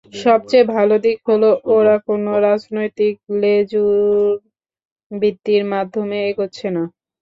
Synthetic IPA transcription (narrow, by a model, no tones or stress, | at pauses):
ʃɔb̚t͡ɕejbʱalod̪ikɦoloʔoɾakonoɾad͡ʑnojt̪ik̚led͡ʑuɾ | bit̪ːiɾmad̪ʱːomeeɡotːɕʰena